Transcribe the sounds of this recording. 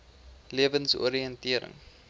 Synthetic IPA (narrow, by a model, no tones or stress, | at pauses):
liəvənso̰ɾiəntiəɾə̰ŋ